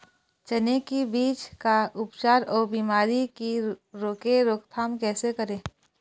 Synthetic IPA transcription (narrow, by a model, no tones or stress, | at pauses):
t͡ʃɐnekibiːt͡ʃkaʔʊpt͡ʃaːɾɔːɾbiːmaːɾikiɾoːkeɾoːkt̪ʰaːmkɛːsekəɾẽː